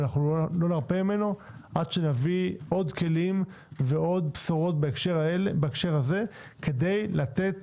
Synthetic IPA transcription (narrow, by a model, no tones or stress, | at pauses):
naχnulo̞naʁpemime̞no | ʔad̪ʃenaviʔo̞d̪kʰe̞lim | veo̞d̪̚psoʁo̞t̪̚bkʃebaekʃe̞ʁhaze̞ | ke̞de̞jlat̪e̞t̪